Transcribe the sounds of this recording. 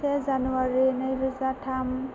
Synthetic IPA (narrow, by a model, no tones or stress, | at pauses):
ɛzanuaɹinəjɹɯzatʰam